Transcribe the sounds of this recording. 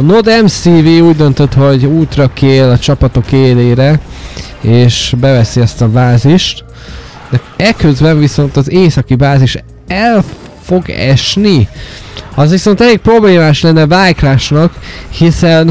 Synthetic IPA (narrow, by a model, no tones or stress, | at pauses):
nod̪ɛmsiviuːɟd̪ønt̪øt̪ho̞ɟuːt̪rɒkʰeːlɒt͡ʃɒpɒt̪o̞keːleːɾɛ | eːʃbɛvɛsiɛst̪ɒbaːziʃt̪ | d̪ɛ | ɛkøzbɛɱviso̞nt̪ɒzeːsɒkibaːziʃ | ɛl | fo̞ɡɛ̰ʃni | ɒzʋiso̞nt̪ɛleːk̚pro̞bleːmaːʃlɛnːɛvaːjklaːʃnɒkhisɛn